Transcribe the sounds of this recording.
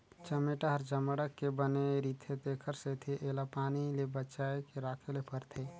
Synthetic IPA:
t͡ʃəmeʈaɦəɾd͡ʒəməɽəkːebəneɾiːt̪ʰet̪eːkʰəɾset̪ʰiʔeːlapaːnilebəːt͡ʃaːekeɾaːkʰelepəɾt̪ʰe

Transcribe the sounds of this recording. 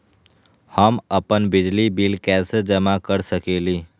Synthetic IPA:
həməpənbɪd͡ʒlibiːlkɛːsed͡ʒəmakəɾsəkeːliː

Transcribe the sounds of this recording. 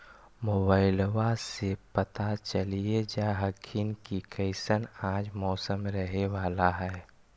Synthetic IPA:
moːbaːɪlwasepət̪at͡ʃəlied͡ʒaɦəkʰinkikəɪsənãːd͡ʒmɔːsəmɾəɦeʋaːlaɦɛː

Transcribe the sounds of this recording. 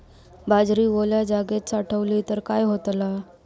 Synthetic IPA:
bad͡zɾiːʋoljad͡zaɡet̪saʈʰəʋliːt̪əɾkajɦot̪la

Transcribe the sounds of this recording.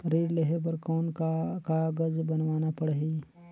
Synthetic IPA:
ɾeːɽleɦep̬ɐɾkɔːnkkaɡəd͡ʒbɐnwaːnapɐɽɦiː

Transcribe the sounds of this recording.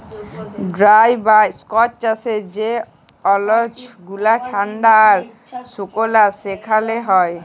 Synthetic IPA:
ɖɾajbaskɔt͡ʃt͡ʃased͡ʑe | ɔlod͡ʑɡulaʈʰaɳɖaːɾ | sokolasekʰaleɦɔe

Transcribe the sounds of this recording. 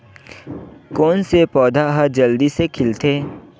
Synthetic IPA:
kɔːnsepɔːd̪ʱaɦad͡ʒɐld̪isekʰɪlt̪ʰeː

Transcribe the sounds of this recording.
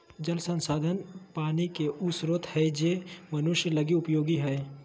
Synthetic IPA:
d͡ʒɐlsɐ̃nsaːd̪ʱənpaːnikeʔʊsɾoːt̪hɛd͡ʒemɐnʊʃjəlɐɡiʊpjoːɡiɦɛː

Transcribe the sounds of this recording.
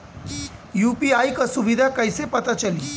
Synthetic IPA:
jupiajkəsuʋid̪ʱakəjsepət̪at͡ʃəli

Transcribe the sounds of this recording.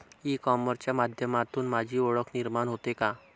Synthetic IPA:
ikɔməɾt͡ɕjamad̪ʱjəmat̪uːnmad͡ʑʱiːɔɭəkniɾmanɦot̪eka

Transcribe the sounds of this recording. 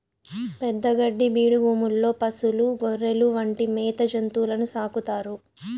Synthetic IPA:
pɛd̪ːɐɡɐɖːibiːɽubuːmulːo̞ːpɐsuluɡoɾːeluʋɐɳʈimɛːt̪ɐd͡ʒɐnt̪uːlɐnusaːkut̪aːɾu

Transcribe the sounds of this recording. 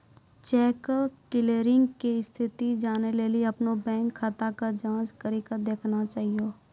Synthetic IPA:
t͡ʃɛːkkɪleːɾɪ̃ŋɡkist̪ʰɪt̪id͡ʒaːneleːliɐpnobɛ̃ːŋkʰːat̪akad͡ʒãːt͡ʃkəɾikəd̪eːkʰnat͡ʃaːɦioː

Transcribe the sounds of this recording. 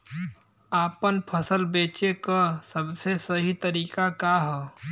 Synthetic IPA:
aːpənpʰəsəlbeːt͡ʃekəsəbsesəɦit̪əɾiːkakaɦɛː

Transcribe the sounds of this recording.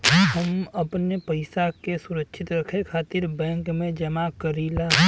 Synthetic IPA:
ɦəməpnepəɪsakesʊɾəkʃʰɪt̪ɾəkʰekʰaːt̪ɪɾbɛ̃ːŋkmẽd͡ʒəmakəɾiːla

